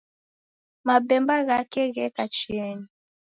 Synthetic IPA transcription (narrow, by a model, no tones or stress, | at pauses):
mabɛmbaɣakɛɣɛkat͡ʃiɛɲi